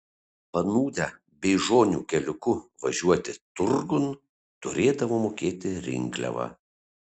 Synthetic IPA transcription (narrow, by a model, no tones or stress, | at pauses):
pɐnuːd̪ʲæ | bʲɛɪʒoːnʲṵːkʲɛlʲʊkʊʋɐʒʲuɔt̪ʲɪt̪ʊɾɡʊn | t̪ʊɾʲeːd̪ɐʋoːmoːkʲeːt̪ʲɪɾʲɪ̰ŋʲɡlʲɛ̰ʋɑ̰ː